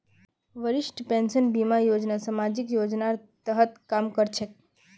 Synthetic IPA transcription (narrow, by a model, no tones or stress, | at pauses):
ʋəɾɪʃʈpensənbimajod͡ʒnasəmad͡ʒikjod͡ʒnaɾt̪əɦət̪kamkəɾt͡ʃʰe